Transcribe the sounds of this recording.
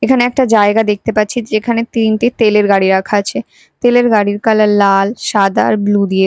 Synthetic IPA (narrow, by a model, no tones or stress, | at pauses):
ekʰaneɛk̚ʈad͡ʑaeɡad̪ek̚t̪epatːt͡ɕʰid͡ʑekʰanet̪inʈit̪eleɾɡaɽiɾakʰat͡ɕʰe | t̪eleɾɡaɽiɾkalalalʃad̪a̰ɾblud̪ie